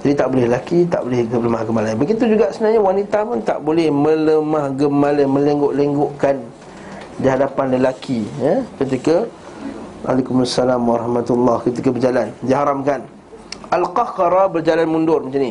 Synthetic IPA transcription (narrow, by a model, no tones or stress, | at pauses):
d͡ʒadit̪aʔbolɛləlakit̪a̰ʔbolɛhɡləmahɡəmalainbəɡit̪ud͡ʒuɡaʔsəənaɲawanit̪apʊnt̪a̰ʔbolɛhmə̃ləmahɡəmaləmə̃leŋɡoʔleŋɡoʔkan | diɦadapanləlakʰijəkət̪̬ikə | ʔa̰lekumasːalamwaɾɑhmat̪ulːahkət̪ikabərd͡ʒalandiaɦaɾamkan | alqaxɾabərd͡ʒalanmundʊrmat͡ʃani